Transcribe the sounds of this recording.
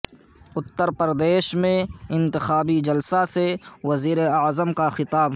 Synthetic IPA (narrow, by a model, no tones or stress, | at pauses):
ʊt̪ːəɾpəɾd̪eːʃmẽɪ̃nt̪ɪxaːbid͡ʒɐlsasewɐziːɾeɐzəmkaxɪt̪aːb